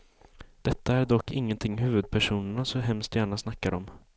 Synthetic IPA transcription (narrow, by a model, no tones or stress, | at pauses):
d̪̥ɛt̪ʰːaæɖɔkːɪŋːənt̪ʰɪŋːɦʉ̟ːvɵd̪̚pʰæʂuːnəɳasɔɦɛmst̪jæːɳasnakːaɾɔ̰m